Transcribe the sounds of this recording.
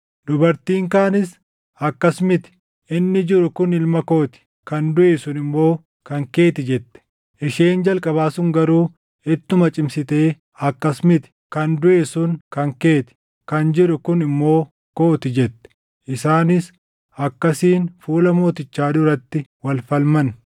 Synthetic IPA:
d̪ʊbɐɾt̪iːŋkaːnɪs | ɐkːɐsmɪt̪ɪ̥ | ɪnːɪd͡ʒɪɾʊkʊnɪlmɐkoːt̪ɪ̥ | kɐnd̪ʊʔe̞ːsʊnɪmːo̞ː | kɐŋke̞ːt̪ɪd͡ʒɛt̪ːɛ̥ | ʔɪʃeːnd͡ʒɐlkʼɐbaːsʊŋɡɐɾuː | ɪt̪ːʊmɐt͡ʃʼɪmsɪt̪e̞ː | ɐkːɐsmɪt̪ɪ̥kɐnd̪ʊʔe̞ːsʊnkɐŋke̞ːt̪ɪ̥ | kɐnd͡ʒɪɾʊkʊnɪmːo̞ː | ko̞ːt̪ɪd͡ʒɛt̪ːɛ̥ | ʔɪsaːnɪs | ɐkːɐsiːnfuːlɐmo̞ːt̪ɪt͡ʃːaːd̪ʊɾɐt̪ːɪwɐlfɐlmɐn

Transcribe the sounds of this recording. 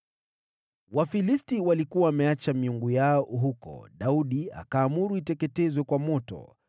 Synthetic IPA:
wafilistiwalikuwaːmɛat͡ʃamiuŋɡujaɔɦukɔ̰ɗauɗia̰kaːmuɾuitɛkɛtɛzwɛkwamɔtɔ̰

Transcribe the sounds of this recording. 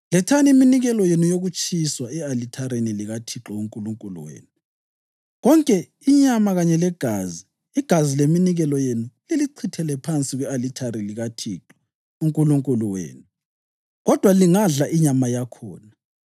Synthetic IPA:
lɛtʰaniminiɣɛlɔjenujoɣut͡ʃʼiswaɛalitʰaɾeniliɣatʰiǁɔuŋkʼuluŋkʼulṵwḛːnu | ɣɔŋkʼɛ | iɲamaɣaɲɛlɛɡ̥ʱaːziː | ɡ̥ʱazileminiɣɛlɔjenuleliǀʰitʰɛlɛpʰant͡sʼiɣwɛalitʰaɾiliɣatʰiːǁɔ̥ | uŋkʼuluŋkʼuluwḛːnu | ɣɔd̥ʱwaliŋaɮaʔiɲamajakʰɔ̰ːna

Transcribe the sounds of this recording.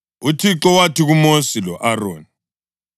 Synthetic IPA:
utʰiǁɔwatʰiɣumosilɔʔaroːni

